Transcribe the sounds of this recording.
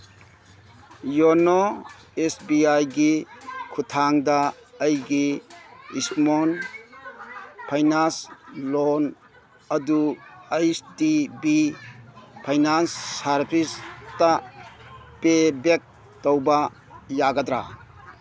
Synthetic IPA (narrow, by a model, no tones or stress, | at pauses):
jono | esbiajɡikʰutʰaŋdɐːjɡi | ismon | pʰajnanslon | ɐduajsdibi | pʰajnansːaɾpʰistɐ | pebek̚ | tɔwbɐ | jaɡadɾa